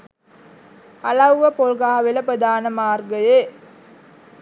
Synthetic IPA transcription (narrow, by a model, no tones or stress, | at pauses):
alɐwʋəpolɡaɦaʋeləpɾəd̪aːnəmaːrɡəje